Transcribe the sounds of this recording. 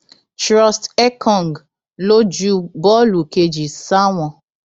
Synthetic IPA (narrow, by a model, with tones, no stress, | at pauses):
t͡ʃɾɔ˦stɛ˦kʰɔ̃˨ŋɡ | lo˦d͡ʒu˦bɔ˦lu˨ke˧d͡ʒi˨sa˦wɔ̃˧